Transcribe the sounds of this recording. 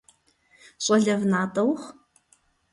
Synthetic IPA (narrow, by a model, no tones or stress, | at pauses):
ɕʼɐɮɐvnaːtʼɐwχ